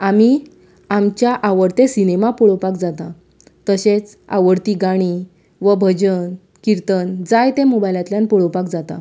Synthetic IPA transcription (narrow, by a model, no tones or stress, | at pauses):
ami | amt͡ɕjaʔaʋəɾt̪esinemapɔɭopakd͡zat̪a | t̪əɕet͡s | a̰ʋəɾt̪iɡaɽ̃i | ʋəbʱəd͡ʑən | kiɾt̪ənd͡zajt̪emobajlãt̪ljãnpoɭopakd͡zat̪a̰